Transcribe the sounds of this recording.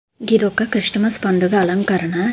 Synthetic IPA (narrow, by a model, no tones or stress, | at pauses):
ɡid̪ɔkːɐkɾiʂʈɐmɐspɐɳɖuɡɐːlɐŋkɐɾɐɳɐ